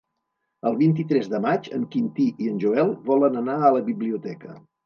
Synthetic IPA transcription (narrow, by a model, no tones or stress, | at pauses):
əlˠβint̪it̪ɾɛzðəmad͡ʒə̰ŋkint̪iʔiənʲʒuɛlˠβɔlənənaələβiβliut̪ɛkə